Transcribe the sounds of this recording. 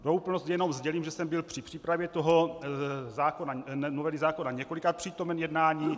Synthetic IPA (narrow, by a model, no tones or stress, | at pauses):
doupl̩nostjɛno̞mzɟɛliːmʒɛsɛmbɪlpr̥ɪpr̥iːpɾavjɛt̪oɦo̞ | zaːkonanovɛlizaːko̞naɲɛkolikat̪̚pr̥iːt̪o̞mɛnjɛdnaːɲiː